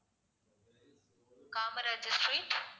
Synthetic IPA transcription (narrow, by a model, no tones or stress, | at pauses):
kaːmɾɛd͡ʒɪsʈɾeːʈ